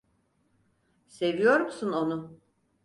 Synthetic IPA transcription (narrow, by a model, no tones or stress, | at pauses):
se̞vijo̞ɾmsuno̞nʊ